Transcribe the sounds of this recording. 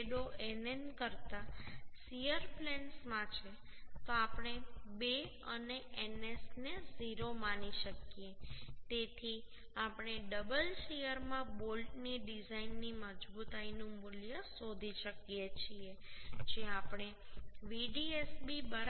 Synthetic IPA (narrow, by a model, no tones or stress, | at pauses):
ɗoenenkəɾt̪asijəɾplɛɳsmãt͡ʃʰet̪oapɳ̃ebe | əneʔenesneziɾomaniʃəkijet̪et̪ʰi | apɽ̃eɖəbəlʃejəɾmãbolɖniɖizainːiməd͡ʒbut̪ainũmʊljəsod̪ʱiʃəkjet͡ʃʰied͡ʒeapɳ̃e | ʋiɖiesbibəɽ